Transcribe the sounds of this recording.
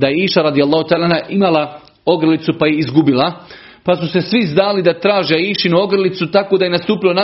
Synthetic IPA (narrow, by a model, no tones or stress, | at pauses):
d̪ajeiːʃaɾad̪ijalˠːaːhut̪aːlanaʔimala | o̞ɡɾlit̪supajeizɡubilˠa | pasuse̞sʋiznaːlid̪at̪ɾaːʒeaiːʃinuo̞ɡɾlit̪sut̪ako̞d̪aje̞nast̪uːpilo̞na